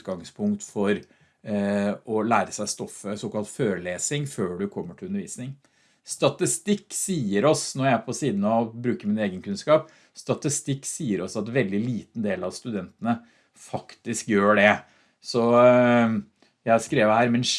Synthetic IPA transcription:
ɡɑŋspʰʊŋkt̪fɔɾ | ɔlæːɾəsæɪst̪ɔfːəsoːkɑlˠt̪føːɾəleːsɪŋføːɖʉkʰɔmːəʈɪlʉnəɾʋḭːsnɪŋ | st̪ɑt̪ɪst̪ɪkːsiːəɾɔsnɔɾjææpʰɔsiːd̪n̩ɑbɾʉːkəmɪneːɡənkʰʉnskɑːp | st̪ɑt̪ɪst̪ɪkːsiːəɾɔsɑt̪ʋɛld̪ɪliːt̪n̩d̪eːlɑʋst̪ʉd̪ɛnt̪ənə | fɑkt̪ɪskjøːɖɛ | sɔ | jæɪskɾeːʋəhæːɾmɛn

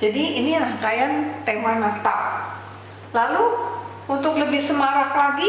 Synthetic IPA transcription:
d͡ʒadiinianahkajant̪emanat̪a | lalu | unt̪ʊkləbɪhsəmaɾaklaɡi

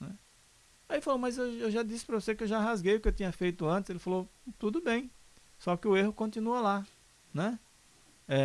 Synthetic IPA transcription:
nɛ | aifalomɐzewewʒad̪isɪ̥pɾɐvosekɪewʒaɦazɡejʊkɪewt̪ĩɲɐfejt̪ʊɐ̃t̪ɪz̥elɪfalot̪ud̪ʊbẽj̃ | sɔkɪʊeɦʊkõnt̪ĩnuɐla | nɛ | ɛ

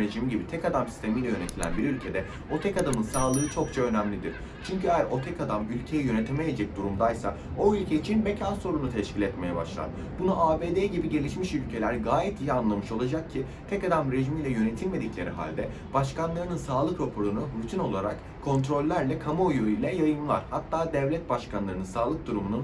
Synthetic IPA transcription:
ɾeʒimiɟibit̪ʰɛkad̪amsi̥st̪ʰe̞mijlʲɛjø̞ne̞t̪ʰilʲæ̰nbiɾylʲcʰe̞d̪ɛ | o̞t̪ʰɛkad̪amɯnsaːlˠɯɯt͡ʃʰo̞kt͡ʃʰaø̞næmlʲid̪ḭɾ̥ | t͡ʃʰyɲcyɛjæɾʔo̞t̪ʰɛcad̪amylʲcʰe̞jijø̞ne̞t̪ʰemejed͡ʒɛc̚d̪uɾumd̪ajsa̰ | o̞ylʲcʰeit͡ʃʰinbecʰanso̞ɾunut̪ʰɛʃcʰilʲɛt̪me̞jɛba̰ʃlˠa̰ɾ | bunuʔaːbeːd̪eːɟibiɟe̞lʲiʃmiʃylʲcʰe̞lʲæɾɡaːjɛt̪ʰijianlˠamɯʃo̞lˠad͡ʒak̚cʰi | t̪ʰɛcad̪amɾe̞ʒimilʲɛjø̞ne̞t̪ʰilʲme̞d̪iclʲe̞ɾiɦa̰lʲd̪ɛ | b̥aʃkanlˠaɾɯnɯnsaːlˠɯkɾo̞pʰoɾunuɾut̪ʰino̞lˠaɾak | kʰo̞nt̪ɾo̞lʲːæɾlʲɛkʰamoojuilʲɛjajɯmlˠaɾ̥hat̪ʰːaːd̪ɛvlʲɛt̪̚baʃkanlˠaɾɯnɯnsaːlˠɯk̚d̪uɾumunun

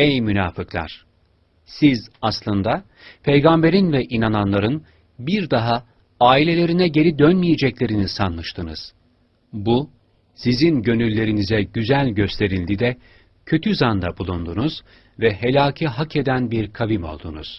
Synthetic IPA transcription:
ejmynaːfɯklˠa̰ɾ̥ | sizaslˠɯnd̪a | pʰe̞jɡambe̞ɾinvɛʔinananlˠaɾɯn | biɾd̪aɦa | aːilʲe̞lʲe̞ɾinɛɟe̞ɾid̪ønmijed͡ʒɛclʲe̞ɾinisanlˠɯʃt̪ʰɯnɯz̥ | bu | sizinɟø̞nylʲːe̞ɾinizɛɟyzælʲɟø̞st̪ʰe̞ɾilʲd̪id̪ɛ | cʰø̞t̪ʰyzand̪abulˠund̪unuz̥ | vɛɦe̞lʲaːcʰiɦakʰe̞d̪ænbiɾkʰavimo̞̰lˠd̪ṵnṵz̥

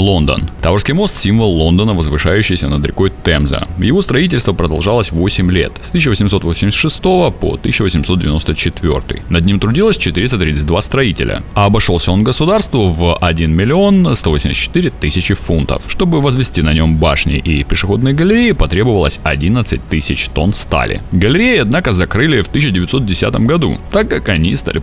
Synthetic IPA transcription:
lˠo̞nd̪ə̰nt̪avərskʲɪjmo̞st̪sʲimvəlˠːo̞nd̪ənəvəzvɨʂajʉɕːɪjsʲənəd̪əɾʲɪ̰ko̞jt̪ɛmzə̰jɪvo̞st̪ɾɐitʲɪlʲst̪vəpɾəd̪ɐlˠʐalˠəsʲvo̞sʲɪmʲlʲe̞̰t̪st̪ɨs̬ʲːʊvəsʲɪmso̞t̪vosʲɪmʲɪsʲt̪ʲʂɨst̪o̞vəpo̰t̪ɨ̥sʲɪɕːʊɪvəsʲɪmsot̪dʲɪvʲɪno̞st̪ət͡ɕɪt̪vʲo̞̰rt̪ɨ̰jnɐd̪nʲimt̪ɾʊdʲilˠəsʲt͡ɕɪt̪ɨɾʲɪst̪ət̪ɾʲit̪sɨt̚ʲd̪vast̪ɾɐitʲɪ̰lʲə̰ɐːbɐʂo̞lˠsʲəo̞nɡəsʊd̪arst̪vʊvʔɐdʲinmʲɪlʲɪo̞nst̪ovosʲɪmʲɪsʲtt͡ɕːɪ̥t̪ɨɾʲɪt̪ɨsʲɪt͡ɕɪfunt̪ə̰fʂt̪o̞bɨvəzvʲɪsʲtʲinɐnʲo̞mba̰ʂnʲɪ̰ʔɪpʲɪʂɨxo̞d̪nɨjəɡəlʲɪɾʲejːpɐt̪ɾʲe̞bəvəlˠəsʲɐdʲinət̪sɨt̚ʲt̪ɨsʲɪt͡ɕt̪o̞nst̪a̰lʲɪ̰ɡəlʲɪɾʲejɪɐd̪nakəzɐkɾɨlʲɪft̪ɨɕ̬ːɪdʲɪvʲɪt̪sot̪̚dʲɪsʲa̰t̪əmɡɐd̪ṵt̪akːakɐnʲist̪a̰lʲɪ

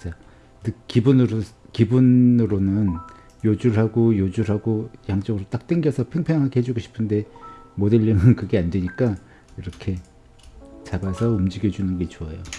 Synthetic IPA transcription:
t͡ɕ͈a | dɯkibunɯɾo | kibunɯɾonɯn | jod͡ʑuɭɦaɡojod͡ʑuɭɦaɡojaŋt͡ɕ͈ʌɡɯɾot͈ak̚t͈weŋɡjʌsʰʌpʰeŋpʰeŋɦaɡehed͡ʑuɡoɕʰi̥pʰɯnde̞modeʎːiŋɯnkɯɡe̞andwe̞ɲik͈a | iɾʌkʰe̞ | t͡ɕabasʰʌumd͡ʑiɡjʌd͡ʑunɯnɡe̞t͡ɕoajo

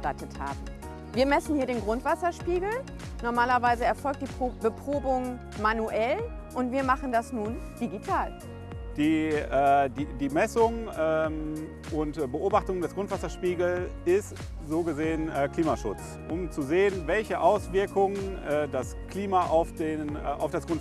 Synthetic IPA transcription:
tatətha̰ːbm̩ | viːɐmɛsn̩hiːɐdeːnɡʁʊntv̥asɐʃpiːɡl̩ | nɔɐmaːlɐvaɪzəɛɐfɔlk̚td̥iːbəpʁ̥oːbʊŋ | manuʔɛl | ʔʊntv̥iːɐmaχn̩dasnuːn | d̥iɡitʰaːl | d̥iːɛːdiːdiːmɛsʊŋɛːm | ʔʊntbəʔoːbaχtʊŋdɛsɡ̥ʁʊntv̥asɐʃpiːɡl̩ɪst | z̥oːɡəzeːənɛkl̥iːmaʃʊ̰t͡s | ʔʊmt͡suzeːənvɛlçəʔaʊsv̥ɪɐkʊŋənɛːdas | kl̥iːmaʔaʊfd̥eːnɛʔaʊfd̥asɡ̥ʊnt

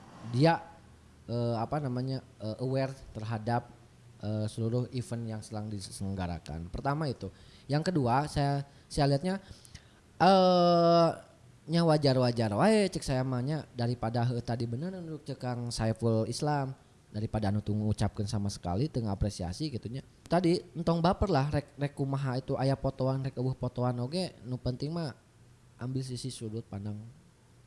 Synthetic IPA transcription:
diaʔ | əapanamaɲa | ʔəʔəwɛrt̪ərɦadap̚ | ʔəsəluɾʊhifənjaŋsənaŋdisəŋəɡaɾa̰ka̰npərt̪amait̪u | jaŋkəduasaja | sajaliɦat̪̚ɲa | ʔə | ɲawad͡ʒarwad͡ʒaɾwaet͡ʃək̚sajamaɲadaɾipadaɦəht̪adibənərduduk̚t͡ʃəkaŋsaifəlislam | daɾipadanut̪uŋut͡ʃap̚kənsamasə̥ka̰lit̪əŋaapɾesia̰siɡit̪uɲa | t̪adint̪ɔŋbapərlahrɛk̚rɛkumaɦait̪uʔajapot̪oanrɛkubəhpot̪oanoɡenupənt̪ɪŋma | ʔambɪls̬isisudʊt̪̚pandaŋ

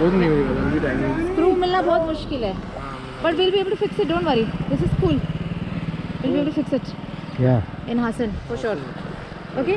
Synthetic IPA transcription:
bɔːt̪niiaõŋɡiɖãːned͡ʒpɾuːfmɪlnabɔːt̪mʊʃkɪlɦɛː | bɐʈʋɪlbieːbəlʈufɪksɪʈ̚ɖõːɳʈʋaɾid̪ɪsɪzskuːl | ʋɪlbieːbəʈufɪksɪʈjaɪ̃nɦaːsə̃nfɔɾʃɔɾ | oːke

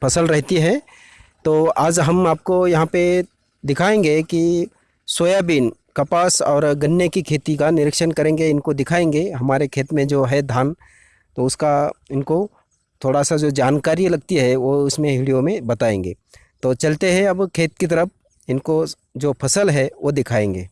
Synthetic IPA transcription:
pʰɐsəlɾɛɦt̪iɦɛ̃ | t̪oːaːd͡ʒɦɐmaːp̚kojɐɦãpe | d̪ɪkʰaːẽːŋɡeki | swoːjabiːn | kɐpaːsɔːɾɡɐnjəkikʰeːt̪ikanɪɾɪkʃənkɐɾẽːŋɡeɪnkod̪ɪkʰaːẽːŋɡeɦɐmaːɾekʰeːt̪mẽd͡ʒoːɦɛd̪ʱaːn | t̪oʊskaɪnko | t̪ʰoːɽasad͡ʒoːd͡ʒaːnkaːɾilɐɡ̚t̪iɦɛʋoʊsmẽɦɪɽijõmẽbɐt̪aːẽːŋɡḛː | t̪oːt͡ʃɐlt̪eɦɛ̃ɐbkʰeːt̪̚kit̪̬əɾəp̚ʰ | ɪnko | d͡ʒoːpʰɐsəlɦɛʋod̪ɪkʰaːẽːŋɡḛː

